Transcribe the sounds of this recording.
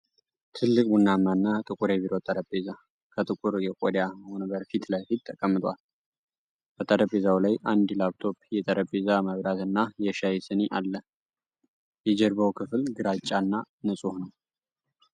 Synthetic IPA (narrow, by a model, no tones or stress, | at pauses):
t̪ʰɨlːɨkʼbunːamːanːat̪ʼɨkʼuɾɛβiɾot̪ʼəɾəbeza | kʰət̪ʼɨkʼuɾjɛkʼod̪jahonbəɾfit̪lajfit̪ːəkʼəmːɨt̪ʼwal | b̥ət̪ʼəɾəbezawlajʔand̪laβt̪ʰo̞pjɛt̪ʼəɾʔəbezaməβɾat̪ɨnːajɛʃajɛsɨneʔalːə | jɛd͡ʒɛɾbəwkʰɨflɡɨɾat͡ʃʼːanːa | nɨsʼuhnəw